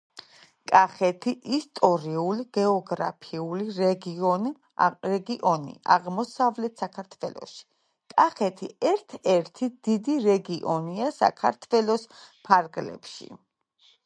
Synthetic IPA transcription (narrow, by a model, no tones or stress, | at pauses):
kʼaχɛt̪ʰiʔist̪ʼɔɾiuliɡ̥ɛɔɡɾa̰pʰiuliɾɛɡiɔn | ɾɛɡiʔɔnḭʔa̰ʁmɔsavlɛt̪ʰsakʰaɾt̪ʰvɛlˠɔ̰ʃi̥ | kʼaχɛt̪ʰiɛɾt̪ʰɛɾt̪ʰid̪̥id̪iɾɛɡiʔɔniasa̰kʰaɾt̪ʰvɛlɔspʰaɾɡlɛ̰pʰʃḭ